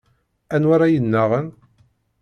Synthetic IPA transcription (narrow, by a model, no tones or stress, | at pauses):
ænwaɾajənːaʁən